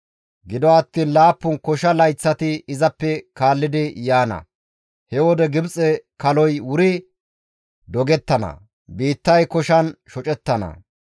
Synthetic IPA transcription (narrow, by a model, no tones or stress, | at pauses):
ɡɪd̪ɔɐt̪ːiːnlaːpːʊnkɔʃɐlɐjt͡sːɐt̪ɪɪzɐpːɛkaːlːɪd̪ɪjaːnɐ̰ | hɛwɔd̪ɛɡɪbt͡sʼɛkɐlɔjwʊɾɪ | d̪ɔɡɛt̪ːɐnɐ̰ | biːt̪ːɐjkɔʃɐnʃɔt͡ʃʼɛt̪ːɐnɐ̰